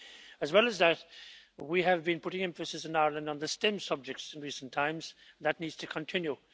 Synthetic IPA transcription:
əzwɛlˠəzðət̚wiəvbĩnpʰʊɾɪ̃ŋɛ̃ɱfɨsɨsɨ̃naɪəɹlə̃ndə̃n̩ðəstɪ̃msʌb̚d͡ʒɪk̚tsɪ̃nɹisn̩tʰãɪ̃mz̥ðətⁿnidz̥tʰɨkʰə̃ntʰɪ̃nju

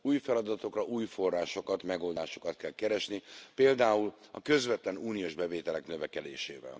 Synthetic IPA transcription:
uːjfɛlɒd̪ɒt̪o̞krɒʔuːjfo̞rːaːʃo̞kɒt̪mɛɡo̞ld̪aːʃo̞̥kɒt̪kɛlkɛɾɛʃnipeːld̪aːulɒ̰kø̞zvɛt̪lɛnuːnijoːʒbɛveːt̪ɛlɛknøvɛkɛd̪eːʃeːvɛ̰l

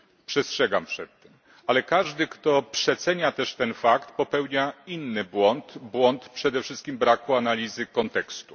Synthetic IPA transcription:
pʂɛstʂɛɡa̰mpʂɛt̪ːɛm | alɛkaʐd̪ɘkt̪ɔpʂɛt̪sɛɲat̪ɛʂt̪ɛnfakt̪pɔpɛwɲainːɘbwɔnt̪bwɔnt̪pʂɛd̪ɛfʂɘst̪̚kʲimbɾakuanalʲizɘkɔnt̪ɛkst̪u̥

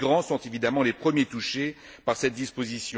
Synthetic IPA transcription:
ɡʁɑ̃sɔ̃t̪evid̪amɑ̃lepχəmjet̪uʃe | paʁsɛt̪̚d̪ispozisjɔ̃

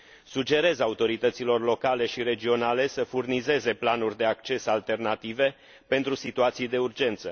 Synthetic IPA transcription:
sud͡ʒe̞ɾe̞zaut̪o̞ɾit̪ət̪silo̞rlo̞kale̞ʃiɾe̞d͡ʒio̞nale̞səfurnize̞ze̞planurʲd̪e̞ak̚t͡ʃe̞salt̪e̞rnat̪ive̞ | pe̞nt̪ɾusit̪uat̪sijd̪e̞urd͡ʒe̞nt̪sə

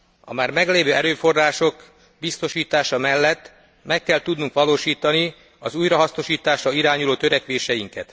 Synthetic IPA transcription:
ɒ̰maːrmɛɡleːvøːɛɾøːfo̞rːaːʃo̞k | bist̪o̞ʃiːt̪aːʃɒmɛlːɛt̪ː | mɛkːɛlt̪ud̪nuŋkʋɒloːʃiːt̪ɒni | ɒzuːjɾɒɦɒsno̞ʃiːt̪aːʃrɒiɾaːɲuloːt̪ø̞ɾɛkʋeːʃɛjiŋkɛ̰t̪

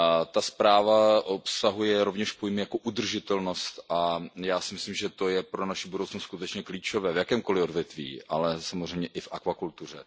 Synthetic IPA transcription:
t̪aspɾaːvaʔopsaɦujɛɾo̞vɲɛʃpojmɪjakoʔud̪r̩ʒɪt̪ɛlno̞st̪ajaːsɪmɪslimʒɛt̪ojɛpɾonaʃibudowt͡snost̪skut̪ɛt͡ʃɲɛkliːt͡ʃo̞vɛːvjakɛːmko̞lɪo̞dvjɛt̪vḭːʔa̰lɛsamozrɛjmɲɛʔɪfʔakvakult̪ur̝ɛ

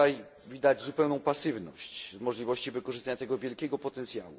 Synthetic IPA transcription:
aj | vʲid̪ad͡ʑzupɛwnɔ̃w̃pasɘvnɔ̰ɕt͡ɕvmɔʐlʲivɔɕt͡ɕivɘkɔʐɘɨst̪aɲat̪ɛɡɔvʲjɛlkʲɛɡɔpɔt̪ɛnt̪sʲja̰wṵ

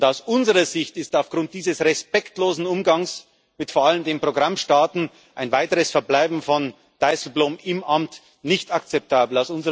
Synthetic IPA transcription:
ʊndaʊsʔʊnzəʁɐzɪçtɪstaʊfɡ̥ʁʊnt̚d̥iːzəsʁɛspɛktloːzn̩ʊmɡaŋs | mɪtfoːɐaləmdeːmpʁ̥oɡʁamʃtaːtn̩ | ʔaɪnvaɪtəʁəsfɛɐblaɪbm̩fɔn | d̥aɪsl̩bloːmɪmʔamt | nɪçtakt͡sɛp̚tʰaːbl̩aʊsʊnzə

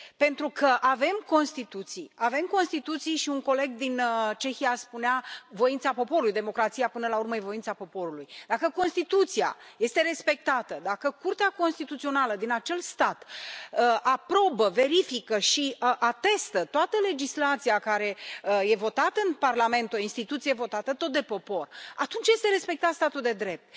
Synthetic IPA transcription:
pe̞nt̪ɾukʰəʔave̞mko̞nst̪it̪ut̪sijave̞mko̞nst̪it̪ut̪sijʃiunko̞le̞ɡ̚d̪int͡ʃe̞xijaspuneavo̞int̪sapo̞po̞ɾulujd̪e̞mo̞kɾat̪sijapɨnəlaurməjevo̞intsapo̞po̞ɾulujd̪akəko̞nst̪it̪ut̪sia̰je̞st̪e̞ɾe̞spe̞k̚t̪at̪əd̪akəkurt̪eako̞nst̪it̪ut̪sio̞naləd̪inat͡ʃe̞lst̪at̪əʔapɾo̞bəve̞ɾifikəʃiʔat̪e̞st̪ət̪oat̪əle̞d͡ʒislat̪sijakaɾe̞je̞vo̞t̪at̪əɨnparlame̞nt̪o̞inst̪it̪ut̪siejevo̞t̪at̪ət̪o̞t̪̚d̪e̞po̞po̞rat̪unt͡ʃje̞st̪e̞ɾe̞spe̞k̚t̪at̪st̪at̪uld̪e̞d̪ɾe̞p̚t̪

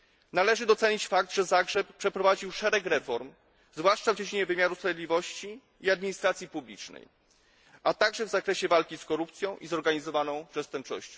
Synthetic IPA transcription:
nalɛʐɘd̪ɔt̪sɛɲit͡ɕfak̚d̪ʐɛzaɡʐɛppʂɛpɾɔvad͡ʑiwʂɛɾɛkɾɛfɔɾm | zvwaʂt͡ʂavd͡ʑed͡ʑiɲɛvɘmʲjaɾuspɾavʲjed̪lʲivɔɕt͡ɕi | iad̪̚mʲiɲist̪ɾat̪sʲjipublʲit͡ʂnɛ̰j | ʔat̪aɡʐɛvzakɾɛɕɛvalkʲiskɔɾup̚t̪sʲjɔ̃w̃ʔizɔɾɡaɲizɔvanɔ̃w̃pʂɛst̪ɛmp̚t͡ʂɔ̰ɕt͡ɕɔ̃w̃

